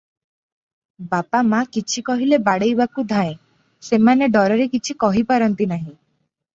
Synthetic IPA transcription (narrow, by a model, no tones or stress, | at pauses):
bapamakit͡ʃʰikɔɦilebaɽejbakud̪ʱãẽ | semaneɖɔɾɔɾekit͡ʃʰikɔɦipaɾɔnt̪inaɦĩ